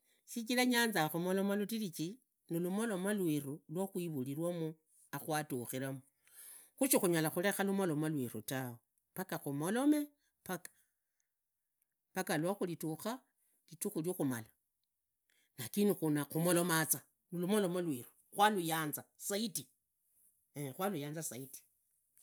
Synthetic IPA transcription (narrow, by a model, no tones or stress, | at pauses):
sit͡ʃilaɲaːnzaxumolomalutilit͡ʃi | nilumolo̞malwirulwoxwiβuliɾwamu | axwatuxiɾamu | xuʃixuɲalaxule̞xalumolo̞malwiɾṵtawo | pakaxumolo̞me̞ | paka | pakalwaxulituxa | lituxuljoxumala | nakinuxunaxumolomat͡sa | nolumolomalwiɾu̥ | xwalujaːnzasaiti | exwalujaːnzasaiti̥